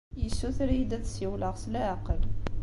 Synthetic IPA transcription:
jəsːuθɾjid̪æθsjiwləʁslæːqəl

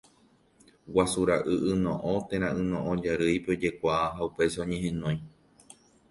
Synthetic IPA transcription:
wasuɾaʔɨʔɨnõʔõt̪ẽɾ̃ãɨ̃nõʔõd͡ʒaɾɨjpeod͡ʒe̞kʷaaɦaupe̞saõɲẽ̞ɦẽ̞nõj̃

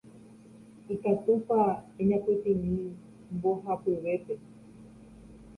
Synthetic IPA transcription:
ikat̪upaeɲãpet̪ĩnĩ | mboɦapeʋe̞pe̞

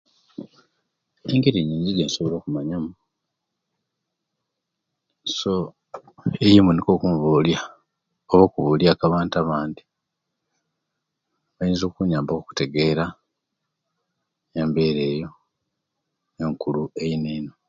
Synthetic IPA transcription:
eŋɡeɾiɲiːɲɟiɡeːnso̞βolo̞ːkumaɲamu | so | ejimuniko̞ːkumuβolja | oβoːkuβuljaːkaβaːntaβaːndi | βajinzo̞ːkuɲaːmboku̥te̞ɡe̞ɾa | eːmbe̞ːɾe̞ːjo̞ | eŋkulue̞jineːno

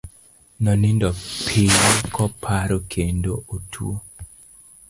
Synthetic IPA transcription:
nɔnindɔpʰijkʰɔpʰaɾokʰendootʰṵo

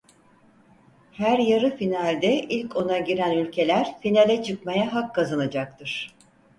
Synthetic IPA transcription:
hæɾjaɾɯfinalʲd̪ɛʔilʲco̞naɟiɾænylʲcʰe̞lʲæɾ̥finalʲɛt͡ʃʰɯkmajaɦakːazanad͡ʒak̚t̪ʰɯɾ̥

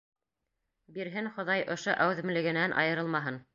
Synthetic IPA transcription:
biɾɦɘnχŏðɑjʔŏʃoʔæwðɘ̆mlɘ̆ɡɘ̆nænʔɑ̰jɤ̆ɾɤlˠmɑɦɤn

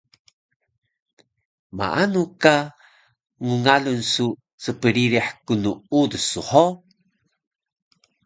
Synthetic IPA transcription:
ma̰ʔanuka | ŋuŋalunsu | t͡səpəɾiɾiħkunuudsuħo

